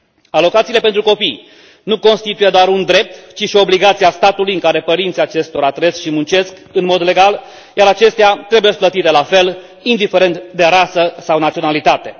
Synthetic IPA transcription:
alo̞kat̪siːle̞pent̪ɾuko̞pij | nuko̞nst̪it̪uje̞d̪oaɾund̪ɾe̞p̚t̪t͡ʃiʃio̞bliɡat̪siast̪at̪ulujɨŋkaɾe̞pəɾint̪sijat͡ʃe̞st̪o̞ɾaːt̪ɾe̞sʃimunt͡ʃe̞skɨnmo̞d̪le̞ɡal | jaɾat͡ʃe̞st̪eat̪ɾe̞buje̞splət̪it̪e̞lafe̞l | ind̪ife̞ɾe̞nt̪d̪e̞ɾasəsawnat̪sio̞nalit̪at̪e̞

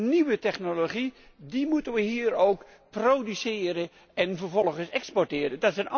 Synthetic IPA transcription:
niʋətɛχnoloχi | dimutənʋəɦiːɾowk | prowdysɪːɾə | ɛnvəɹvɔlˠχənsɛkspɔrtɪːɾəndɑtsɛn

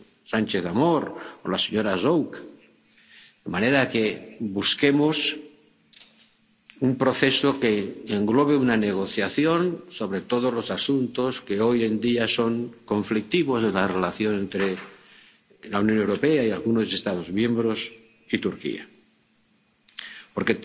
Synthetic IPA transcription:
sant͡ʃeθamoɾolaseɲoɾazowk | d̪emaneɾakebuske̞mos | umpɾoθe̞sokeːŋɡlo̞β̞eunaneɣ̞o̞θjaθjo̞nso̞β̞ɾe̞t̪o̞ð̞ozlo̞sasunt̪o̞ske̞o̞je̞nd̪iaso̞ŋko̞ɱflik̚t̪iβo̞zenlarelaθjo̞nẽ̞nt̪ɾe | launjo̞ne̞wɾo̞peaialɣunose̞st̪að̞o̞zmjẽ̞mbɾo̞s | it̪uɾkḭa̰ | poɾke

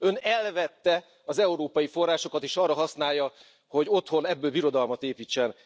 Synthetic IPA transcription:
ø̞nɛlvɛt̪ːɛ | ɒzɛuɾoːpɒjifo̞rːaːʃo̞kɒt̪eːʃɒrːɒɦɒsnaːjːɒ | ho̞ɟo̞t̪ho̞nɛbːøːlbiɾo̞d̪ɒlmɒt̪eːpiːt͡ʃːɛn

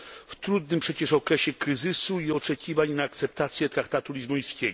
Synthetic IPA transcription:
ft̪ɾud̪nɘmpʂɛt͡ɕɛʂɔkɾɛɕɛkɾɘzɘsuiɔt͡ʂɛkʲivaɲnaːkt̪sɛp̚t̪at̪sʲjɛt̪ɾakt̪at̪ulʲizbɔj̃skʲɛɡɔ

